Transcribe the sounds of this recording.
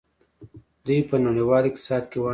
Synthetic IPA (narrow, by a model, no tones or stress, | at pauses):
d̪ujpənaniwɑːlɪk̚t̪ɪ̥sɑːd̪kewa